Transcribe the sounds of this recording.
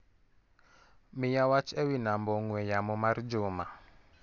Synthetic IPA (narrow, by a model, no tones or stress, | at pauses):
mɪjawat͡ʃewinamboŋwejamʊmaɾid͡ʒʊma